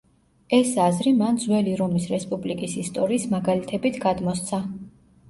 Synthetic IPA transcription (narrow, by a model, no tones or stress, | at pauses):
ɛsazɾimand̪zwɛliɾɔmisɾɛspʼublikʼisist̪ʼɔɾiːsmaɡalit̪ʰɛbit̪ʰɡad̪mɔst̪sʰa